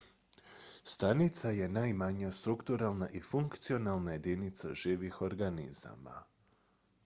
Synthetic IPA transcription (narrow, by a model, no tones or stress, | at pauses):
st̪anit̪saje̞najmaɲast̪ɾukt̪uɾalˠnaʔifuŋkt̪sio̞nalˠnaje̞d̪init̪saʒiːʋixo̞ɾɡanḭza̰ma̰